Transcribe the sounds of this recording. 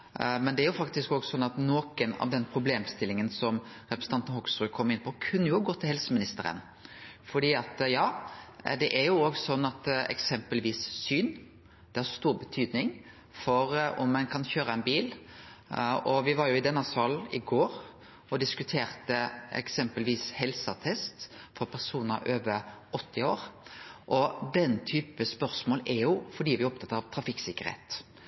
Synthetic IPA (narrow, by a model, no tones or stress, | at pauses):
mɛnd̪ɛæɾjʊfɑkt̪ɪskɔːɡsɔnːɑt̪noːkənɑ̰ʋd̪ɛnpʰɾʊbleːmst̪ɪlːɪŋənsɔm | ɾɛpɾəs̩ʰɑnt̪ənhɔɡsʁʉːkʰɔmːɪnpʰɔkʰʉnːəjʊɡoːt̪ʰɪlhɛlsəmɪnɪst̪əɾə̰n | fɔɖ̪iːɑt̪jɑːd̪ɛʔæɾjʊoːɡsɔnːɑt̪ɛ̰ksɛmpəlʋiːssyːn | d̪̥ɛhɑɾst̪uːɾbət̪ʰyːd̪nɪŋ | fɔɾɔ̰mːɛnkʰɑnçøːɾəɛnbiːl | ɔʋɪʋɑɾjʊɪd̪ɛnːɑsfɑlɪɡoːɾ | ʔɔd̪ɪskʉt̪ʰeːɾt̪əɛ̰ksɛmpəlʋiːshɛlsət̪ʰɛst̪fɔɾpʰæɾsuːnəɾøːʋəɾɔt̪ʰːɪoːɾʔɔd̪ɛnːt̪ʰyːpəspœʁsmoːlɛɾjʊfɔɖiːʋɪɔp̚t̪ʰɑt̪ːɾɑʋt̪ʰɾɑfɪksɪkːəɾhḛːt̪